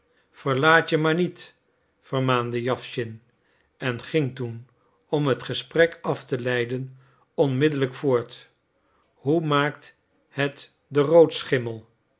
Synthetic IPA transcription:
fəɹlaːtəmaːɹnit | fəɹmaːndəjɑfʃɪn | ɛnχɪŋtun | ɔmɦətχəsprɛkɑftəlɛjdən | ɔnmɪdələkfʊːɹt | humaːkt | hɛt | dərowtsχɪməlˠ

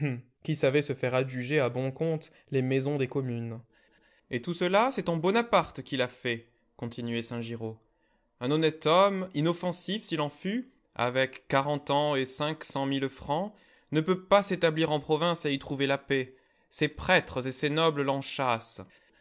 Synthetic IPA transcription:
kʲisavɛsəfɛʁaʒyʒeabɔ̃kɔ̃t̪ | lemɛzɔ̃d̪ekɔmyn | et̪usəlasɛt̪ɑ̃bɔnapaʁt̪kʲilafɛ | kɔ̃t̪ʰinɥɛsɛ̃ʒiʁo | ɛ̃nɔnɛt̪ɔminɔfɑ̃sifsilɑ̃fy | a̰vɛkːaʁɑ̃t̪ɑ̃esɛ̃ksɑ̃milfχɑ̃ | nəpøpaset̪abliʁɑ̃pχɔvɛ̃seit̪χuvelape | sepχɛt̪χəzesenɔbləlɑ̃ʃas

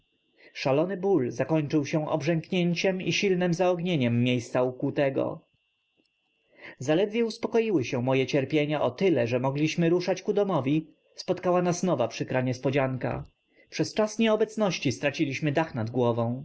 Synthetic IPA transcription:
ʂalɔnɘbulzakɔɲt͡ʂɘwɕɛ̃ʔɔ̰bʐɛŋkɲeɲt͡ɕɛmiɕilnɘmzaɔɡɲeɲɛmːjejst̪saukut̪ɛɡɔ̰ | zalɛd̪vʲjɛuspɔkɔjiwɘɕɛ̃mɔjɛt͡ɕɛɾpʲjeɲaʔɔt̪ɘlɛʐɛmɔɡlʲiɕmɘɾuʂat͡ɕkud̪ɔmɔvʲi | spɔt̪kawanasnɔvapʂɘkɾaɲɛspɔd͡ʑaŋka̰ | pʂɛst͡ʂasɲɛɔbɛt̪snɔɕt͡ɕist̪ɾat͡ɕilʲiɕmɘd̪axnad̪ɡwɔvɔ̃w̃

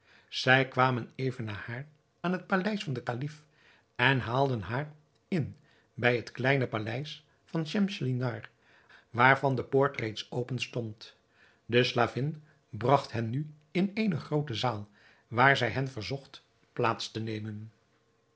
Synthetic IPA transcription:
z̥ɛjkʋaːmənejvənːaːhaːr | aːnɦət̚palɛjsfɑndəkalif | ɛnɦaːlˠdənɦaːr | ɪn | bɛjɦətklɛjnəpalɛjs | fɑnʃɛmʃlinɑɹ | ʋaːɹvɑndəpoːɹtrejtsowpənstɔnt | dəslaːvɪn | brɑχtɦɛnny | ɪnejnəχrowtəzaːlˠ | ʋaːɹzɛjɦɛnvəɹzɔχt | plaːtstənejmən

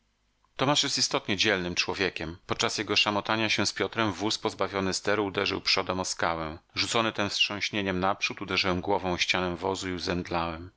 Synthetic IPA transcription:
t̪ɔmaʂjɛst̪ist̪ɔt̪ɲɛd͡ʑɛlnɘmt͡ʂwɔvʲjekʲɛmpɔt̪̚t͡ʂasjɛɡɔʂamɔt̪aɲaɕɛ̃w̃spʲjɔt̪ɾɛmvuspɔzbavʲjɔnɘst̪ɛɾud̪ɛʐɘ̰wpʂɔd̪ɛmɔskawɛ̃ʐut̪sɔnɘt̪ɛnfsʂɔ̃w̃ɕɲeɲɛmnapʂut̪ud̪ɛʐɘwɛmɡwɔvɔ̃w̃ɕt͡ɕanɛ̃vɔzuiuzɛnd̪lawɛm

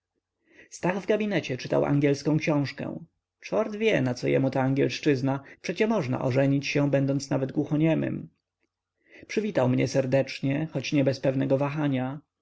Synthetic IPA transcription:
st̪aɣvɡabʲinɛt͡ɕɛt͡ʂɘt̪a̰wʔa̰ŋɡʲjɛlskɔ̃w̃kɕɔ̃w̃ʂkɛ̰̃ | t͡ʂɔɾd̪vʲjɛnat̪sɔjɛ̰mut̪aːŋɡʲjɛlʂt͡ʂɘznapʂɛt͡ɕɛmɔʐna̰ʔɔʐɛɲit͡ɕɕɛ̃bɛnd̪ɔnt̪snavɛd̪ɡwuxɔɲɛmɘ̰m | pʂɘvʲit̪awmɲɛsɛɾd̪ɛt͡ʂɲɛxɔt͡ɕɲɛbɛspɛvnɛɡɔvaxaɲa

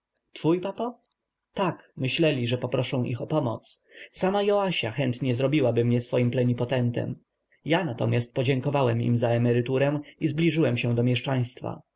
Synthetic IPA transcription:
t̪fujpapa | t̪akmɘɕlɛlʲiʐɛpɔpɾɔʂɛ̃w̃ʔḭxɔpɔmɔ̰t̪ssamajɔaɕaxɛnt̪ɲɛzɾɔbʲiwabɘmɲɛsfɔjimplɛɲipɔt̪ɛnt̪ɛ̰m | janat̪ɔmʲjast̪̚pɔd͡ʑɛŋkɔvawɛmḭmzaɛmɛɾɘt̪uɾɛw̃izblʲiʐɘwɛmɕɛ̃d̪ɔmʲjɛʂt͡ʂaj̃st̪fa̰

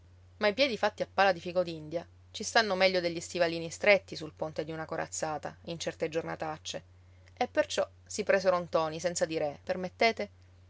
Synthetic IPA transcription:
majpjɛːd̪ifat̪ːiapːaːlad̪ifikod̪ind̪ja | t͡ʃist̪anːomɛʎːod̪eʎːist̪ivaliːnist̪ɾet̪ːisulpont̪ed̪iunakoɾa̰t̪sːaːt̪a̰int͡ʃɛrt̪ed͡ʒorna̰t̪at͡ʃːe | epːert͡ʃɔ | sipɾeːseɾont̪ɔːnisɛnt̪sad̪iɾepermet̪ːeːt̪e

